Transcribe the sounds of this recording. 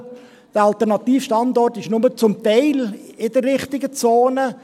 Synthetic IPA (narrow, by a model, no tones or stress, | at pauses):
d̥əɾɑltɛɾnɑt̪iːfʃtɑndɔrtɪʃnʊmət͡sʊmt̪ɛɪlɪd̥əɾɾɪχtɪɡət͡soːnə